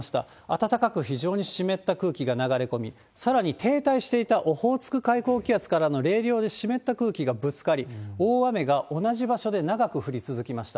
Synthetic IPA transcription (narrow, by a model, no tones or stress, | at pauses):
ɕi̥t̪a̰ | at̪at̪akakɯ̟çiʑo̞ːɲ̟iɕime̞t̪ːakɯ̟ːkʲiɡanaɡaɾe̞ko̞mʲi | saɾaɲ̟it̪ʰe̞ːt̪aiɕi̥t̪e̞it̪aʔo̞ho̞ːt͡sɨ̥kɯ̟kaiko̞ːkʲiat͡sɨ̥kaɾano̞ɾe̞ːɾʲo̞ːd̪e̞ɕime̞t̪ːakɯ̟ːkʲiɡabɯ̟t͡sɨ̥kaɾʲio̞ːβame̞ɡaʔo̞naʑibaɕo̞d̪e̞naɡakɯ̟ɸɯ̟ɾʲit͡sɨzɨkʲimaɕi̥t̪a